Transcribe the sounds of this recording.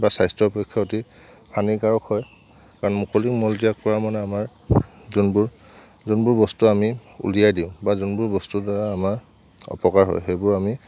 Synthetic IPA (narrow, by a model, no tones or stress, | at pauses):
basajstɹɔpɔkʰːjɔoti | pʰanikaɹɔkʰhɔj | kaɹɔnmukolikmɔldijak̚pɔɹaɹmanɛamaɹ | zunbuɹ | zunbʊɹbɔstuamiṵlijajdĩʊ̃bazunbuɹbɔstudaɹaːmaɹ | ɔ̰pɔkaɹɦɔ̰jxejbʊɹami